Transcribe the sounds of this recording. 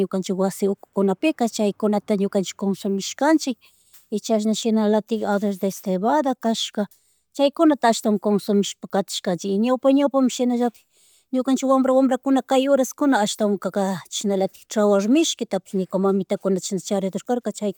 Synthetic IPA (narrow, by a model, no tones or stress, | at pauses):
ɲʊkant͡ʃɪkwasɪʊkʊ̥kʊnapɪkat͡ʃajkʊnat̪aɲokant͡ʃɪ̥kːonsomɪʃkant͡ʃɪk̚ | ɪt͡ʃaʃ̬naʃɪnalat̪ɪkad̪aʃd̪aest̪eβad̪akaʃka | t͡ʃajkʊnat̪aːʃt̪awmkonsomɪʃpakat̪ɪ̥ʃkant͡ʃɪkɲawpaɲawpamʃɪnaʒapɪ̥ | ɲokant͡ʃɪkwamɾawamɾakʊnakajoɾaskʊnaːʃt̪awŋkakat͡ʃʃɪnalat̪ɪ̥kʈ͡ʂawaɾmɪʃkɪt̪apɪ̥snɪkamamɪt̪akʊnat̪aʃɪnat͡ʃaɾed̪oɾkaɾkat͡ʃaj